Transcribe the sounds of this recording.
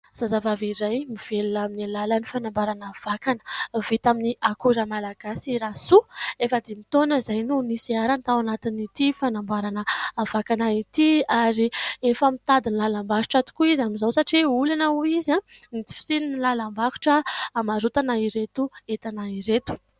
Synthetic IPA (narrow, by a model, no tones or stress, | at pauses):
z̥azavaviɾajmiv̥eluaminilalənifanambaɾanav̥akanə̥vit̪aminiakuɾəmalaɡasiɾasuefəd̪emit̪onəzajnunisiaɾant̪awanat̪init̪ifanambaɾanəavakanait̪iaɾiefamit̪ad̪inlalambakuʈ͡ʂat̪u̥kuizamizawsaʈ͡ʂiulanauizãnit͡si̥fi̥sininilalambaku̥ʈ͡ʂəːmaɾut̪anaiɾet̪uet̪anaiɾet̪u̥